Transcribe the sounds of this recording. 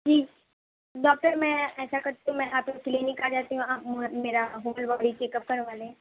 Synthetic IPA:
d͡ʒiː | ɖɔːk̚ʈəɾmɛ̃ɛːsakɐɾt̪iɦũmɛ̃ʔaːpkokliːnɪkaːd͡ʒaːt̪iɦũaːpmmeːɾaɦoːlbaɽit͡ʃeːkəp̚kɐɾʋaːlẽː

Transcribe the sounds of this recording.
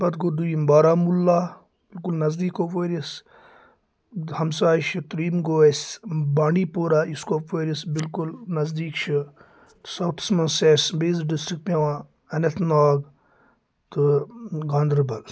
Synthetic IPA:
bɐt̪ɡod̪ujimbaːɾaːmulːaː | b̥ɪlkulnɐzd̪iːkoːpʋeːɾis | hɐmsaːjʃʰit̪ɐɾiːmɡoːesʲbaːɳɖipoːɾaːiskoːpʋeːɾisbilkulnɐzd̪iːkt͡ʃʰi | t̪sawt̪ʰi̥smɐnseːsbeːzɖisʈɾik̚ʈpeʋã | ɐnɐt̪ʰnaːɡ | t̪ɨɡãːnd̪ɾbɐl

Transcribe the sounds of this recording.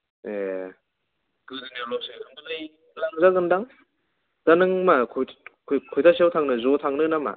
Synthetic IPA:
je | kɯdɯnalɔsekɯndɯlaji | laŋzaɡɯndaŋ | z̥anɯŋmakʰkʰkʰojtʰasiawtʰaŋnɯzotʰaŋnɯnama̰

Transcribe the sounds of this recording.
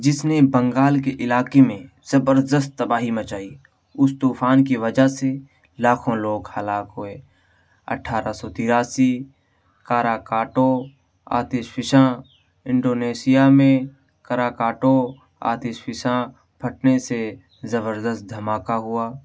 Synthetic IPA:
d͡ʒɪsnebə̃ŋɡaːlkeʔɪlaːkemẽ | z̥əbəɾd̪əs̬t̪̚ːəbaːɦimət͡ʃaːi | ʊst̪uːfʰaːnkiʋəd͡ʒase | laːkʰõloːɡhəlaːkɦʊe | ə̰ʈʰːaːɾasɔt̪ɪɾaːsi | kaːɾaːkaːʈõ | a̰ːt̪ɪʃpʰɪʃã | ɪ̃ɳɖoːneːsɪjamẽ | kəɾaːkaːʈõ | a̰ːt̪ɪːʃpʰɪʃã | bʰʱəʈ̚nese | zəβəɾd̪əst̪̚d̪ʱɐmaːkaɦʊaː

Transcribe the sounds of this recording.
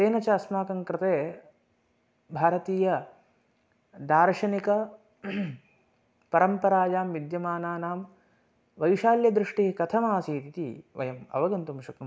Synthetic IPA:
seːnɐt͡ʃɐɐsmaːkɐŋkɾɪt̪eː | bʱaːɾɐt̪iːjɐ | d̪aːɾʂɐnikɐ | pɐɾɐmpɐɾaːd͡ʒaːmʋid̪jɐmaːnaːnaːm | ʋɐjʃaːljɐd̪ɾɪʂʈikɐt̪ʰɐmaːsiːt̪it̪ḭʋɐ̰jɐmɐ̰ʋɐɡɐnt̪umʃɐknɐ

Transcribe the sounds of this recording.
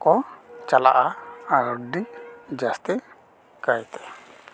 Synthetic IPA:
kɔt͡ʃala̰ʔaaɾɔdiʔd͡ʒast̪i | kajt̪ɛ̥

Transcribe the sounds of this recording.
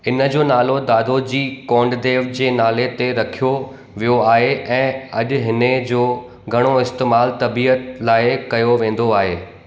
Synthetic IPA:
ɪnə̆d͡ʑoːnaːlod̪aːd̪ʱod͡ʑiːkɔ̃ːɳɖd̪eːʋd͡ʑeːnaːlet̪eɾɐkʰijo | ʋijoaːɦeʔɛ̃ːɐʄ̆ɦɪned͡ʑoː | ɡʱɐɽ̃oɪst̪eːmaːlt̪ɐbiːət̪laːɪkɐjoʋẽːn̆d̪oaːɦḛː

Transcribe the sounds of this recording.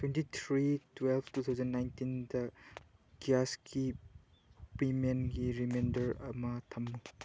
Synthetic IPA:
twentit̪ʰɾitwelbʰtut̪ʰawzɐnːajntindɐ | ɡijaski | pɾimenɡiɾimendɐɾɐ̰mɐtʰɐmːu

